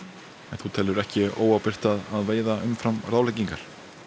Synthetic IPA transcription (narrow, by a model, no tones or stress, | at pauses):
ɛnθut̪ʰɛlːʏɾɛhcɪoːwawpɪr̥t̪aðaðveːjðaʏmfɾamraːwlɛjciŋkaɾ̥